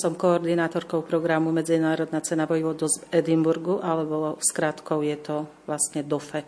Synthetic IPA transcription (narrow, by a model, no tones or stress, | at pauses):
sɔmkɔɔɾd̪inaːt̪ɔɾkɔʊpɾɔɡɾamumɛd͡zinaːɾɔd̪nat͡sɛnaʋɔjiʋɔd̪ɔzɛd̪imbuɾɡuʔalɛbɔskɾat̪kɔʊjɛt̪ɔ | ʋlast̪ɲɛd̪ɔfɛ